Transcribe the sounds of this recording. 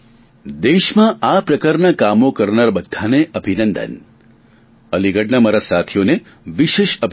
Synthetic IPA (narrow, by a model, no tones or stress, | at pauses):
d̪eʃmãʔapɾəkaɾnakamokəɾnaɾbəd̪ʱːaneʔəbʱinənd̪ə̰n | əliɡəɽnəmaɾasat̪ʰijone | ʋiʃeʃəbʱ